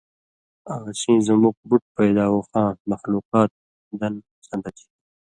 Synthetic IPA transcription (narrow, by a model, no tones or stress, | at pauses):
aɣasĩːzəmuk̚buʈ̚pajd̪ɑːwuxɑ̃ːmaxluqɑːt̪̚ | d̪an | sand̪at̪ʰi̥